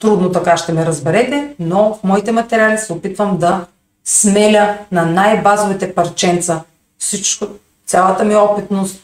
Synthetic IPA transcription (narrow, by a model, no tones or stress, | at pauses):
t̪ɾud̪not̪ɐkaʃt̪ɛmɛɾɐzbɛɾɛt̪ɛnɔfmɔit̪ɛmɐt̪ɛɾʲialisɛopit̪vəmd̪ɐ | smɛlʲənɐnajbazovit̪ɛpɐɾt͡ʃɛnt̪sə | fsit͡ʃkʊ | t̪sʲalˠət̪əmiɔpit̪nost̪̚